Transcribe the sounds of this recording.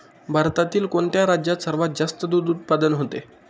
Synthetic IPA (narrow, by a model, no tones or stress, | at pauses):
bʱaɾt̪at̪iːlkoɳt̪jaɾad͡ʑjat̪səɾʋat̪̚d͡zast̪əd̪ud̪ut̪̚pad̪ənɦot̪e